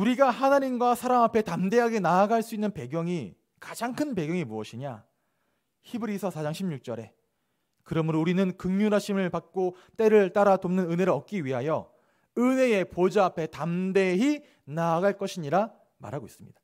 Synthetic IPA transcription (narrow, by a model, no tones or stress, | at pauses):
uɾiɡahanaɲimɡwasʰaɾamapʰe̞tamde̞ɦaɡe̞naːɡaɭs͈uinːɯnpe̞ɡjʌŋi | kad͡ʑaŋkʰɯnpe̞ɡjʌŋimuʌɕʰiɲa̰ | çibɯɾisʰʌsʰad͡ʑaŋɕʰimɲuk̚t͡ɕ͈ʌɾe̞̰ | kɯɾʌmɯɾouɾinɯnkɯŋɲuɾaɕʰimɯɭpak̚k͈o | t͈e̞ɾɯɭt͈aɾatomnɯnɯne̞ɾɯɭʌk̚k͈iɥiɦajʌ̰ | ɯne̞e̞pod͡ʑaapʰe̞tamde̞ɦi | naːɡaɭk͈ʌɕʰiɲiɾa | ma̰ɾɦaɡois͈ɯmɲḭd̥ḁ